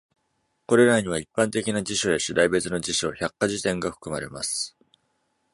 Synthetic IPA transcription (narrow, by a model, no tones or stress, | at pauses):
ko̞ɾe̞ɾaɲ̟iβ̞aipːãnt̪e̞kʲinad͡ʑiɕo̞eɕid̪aibe̞t͡sɨno̞d͡ʑiɕoːçakːaʑit̪ẽ̞ŋɡaɸɯ̥kɯ̟ma̰ɾe̞̰ma̰sɨ̥